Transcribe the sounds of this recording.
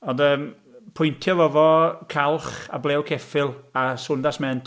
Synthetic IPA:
ɔndəːm | pʰʊjntʰjɔvɔvɔkʰalˠχa̰blˠɛːwkʰɛfɪlˠasʊndasmɛntʰ

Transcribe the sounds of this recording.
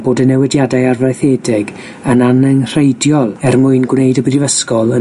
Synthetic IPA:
b̥oːdənɛwɛdjadajarvajθeːdɪɡ | ənanɛŋr̥ejdjɔlˠɛrmʊɨnɡwneɨdəbrɪvəskɔlˠə

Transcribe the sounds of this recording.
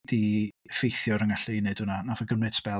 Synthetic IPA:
d̥ifejθjɔɾəŋaɬejnɨd̥ʊnanaðɔɡəmɨd̥spɛ

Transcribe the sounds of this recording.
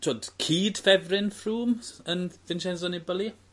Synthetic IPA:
tʰoːd̥kʰiːd̥fɛvrɪnfruːmənðɪnʃɛnzɔnibəlˠi

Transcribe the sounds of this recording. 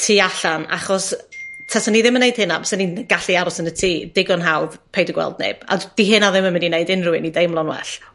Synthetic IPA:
tʰiːaɬana̰χɔstʰasaniðɪmənejd̥hɪnabʰɔ̥saninɡ̥aɬiaɾɔsənətʰiːd̥ɪɡɔnɦawðpʰejdəɡwɛ̰lˠdnḛb̥a̰d̥iɦɨnaðɪməmənineɨdɪnrʊɪnidejmlˠɔnwɛ̰ɬ

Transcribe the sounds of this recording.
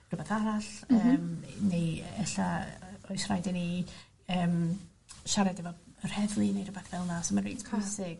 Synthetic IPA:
r̥ʊbaθaɾaɬəmnejɛɬaɔjsrajdɛni | əːm | ʃaɾɛdɛvɔr̥hɛðlˠinejrəbaθvɛlˠnasomanriːdkʰwasɪɡ̥

